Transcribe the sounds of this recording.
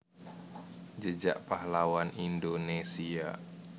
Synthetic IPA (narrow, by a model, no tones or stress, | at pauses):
d͡ʒəd͡ʒa̰ʔpaɦlawanindonesia̰